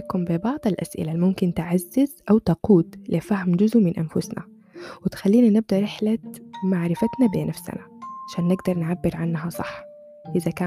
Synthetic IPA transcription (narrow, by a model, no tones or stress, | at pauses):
kʊmbɪbɑʕd̪ˤalʔa̰sʔɪ̰lalmʊmkɪnt̪ɪʕazːɪzʔawt̪ɑquːt̪lɪfahmd͡ʒʊzʔumɪnʔa̰nfʊsna̰ | wɪt̪xalːiːnanɪb̚d̪aɾˤɪħlamaʕɾɪfat̪nabiːnafsa̰naʕaʃaːnːɪɡd̪ɑɾˤnʕabːɪɾʕanːɦasˤɑħː | ʔɪzakaː